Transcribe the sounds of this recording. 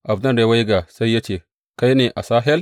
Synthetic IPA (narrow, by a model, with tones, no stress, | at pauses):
ʔa˨bdɐ˦nɾe˨wa˦jɡa˨sa˦jːa˦t͡ʃe˨ | ka˦jneː˨ʔa˨saː˦ɦɛ˦l